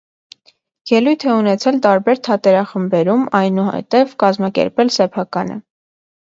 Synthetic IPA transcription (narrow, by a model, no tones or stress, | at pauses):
jɛlujt̪ʰɛunɛt͡sʰɛlt̪ɑɾbɛɾt̪ʰɑt̪ɛɾɑχəmbɛɾumɑjnuhɛ̰t̪ɛvkɑzmɑkɛ̰ɾpɛlsɛpʰɑkɑnə̰